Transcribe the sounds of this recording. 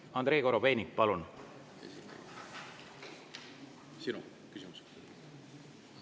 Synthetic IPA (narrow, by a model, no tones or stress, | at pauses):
ɑnd̪ɾe̞ːko̞ɾo̞be̞ːnʲik̚pɑlun | ḛsit̪ːḛɡi | sinu | kysimuse̥k̪